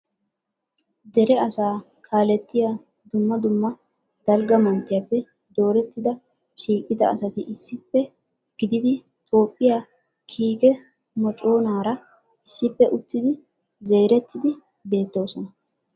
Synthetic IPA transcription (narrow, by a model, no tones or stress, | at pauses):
d̪ɛɾɛɐsaː | kʰaːlɛt̪ːɪja | d̪ʊmːɐd̪ʊmːɐ | d̪̥ɐlɡɐmɐnt̪ːɪjapːɛ | d̪o̞ːɾɛt̪ːɪd̪ɐ | ʃiːkʼːɪd̪ɐ̰ːsɐt̪ɪʔɪsːɪpːɛ | ɡ̥ɪd̪ɪd̪ɪ | t̪ʼo̞ːpʼːɪjaː | kʰiːkʼɛ | mɔt͡ʃʼo̞ːnaːɾɐ | ɪsːɪpːɛʔʊt̪ːɪd̪ɪ | zejɾɛt̪ːɪd̪ɪ | be̞ːt̪ːo̞ːsɔnɐ